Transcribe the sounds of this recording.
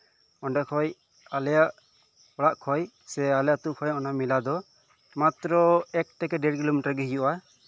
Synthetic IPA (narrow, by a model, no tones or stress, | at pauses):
ɔɳɖɛkʰɔj | alɛjaʔ | ɔɽaʔkʰɔj | sɛalɛjat̪ukʰɔjʔɔnamilad̪ɔ | mat̪ɾɔɛk̚ʈɛkɛɖɛɖɡilɔmiʈaɾɡɛɦijɔʔa